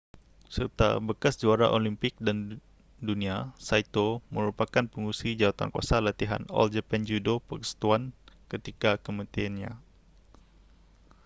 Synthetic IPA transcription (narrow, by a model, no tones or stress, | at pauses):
sərt̪a̰bəkasd͡ʒuaɾa̰ʔolimpɪk̚dan | duniasait̪oməɾupakanpəŋusid͡ʒawat̪a̰nkua̰salat̪iɦa̰nɔ̰ld͡ʒəpɛnd͡ʒudopərəsə̥t̪uankət̪ikakəmat̪ianɲa̰